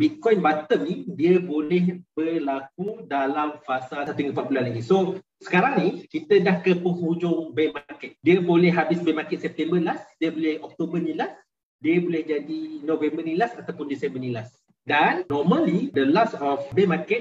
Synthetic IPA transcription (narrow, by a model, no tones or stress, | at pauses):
bit̪̚kɔjnbat̪əmnidiəbolɛhbərlak̚udalamfasalsat̪iŋɡəp̬aʔ̚bulanlaɡiso | sə̥kaɾaŋnikit̪ədahkəpəhud͡ʒʊŋbemakɛt̪̚diəbolɛhɦːabɪsbemakɛt̪̚sɛp̚t̪ɛmbəlasdiəbolɛhɔk̚t̪obənilas | diəbolɛhd͡ʒadinovɛmbərnilasat̪awpʊndisɛmbərnilas | danːɔməlid̪əlasɔfbemakɛt̪̚